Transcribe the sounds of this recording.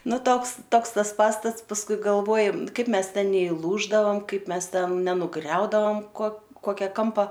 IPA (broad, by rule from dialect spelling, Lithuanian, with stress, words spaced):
ˈnʊ ˈtoːks ˈtoːks ˈtɐs ˈpɑːstɐts pɐsˈkʊɪ ɡɐlˠˈʋoːjoːm ˈkɐɪp ˈmʲɛs ˈtʲɛn nʲɛɪˈlˠuːʒdɐʋɐm ˈkɐɪp ˈmʲɛs ˈtʲɛn nʲɛnʊˈɡrʲɛʊdɐʋɐm koː ˈkoːkʲɛ ˈkɐmpɐ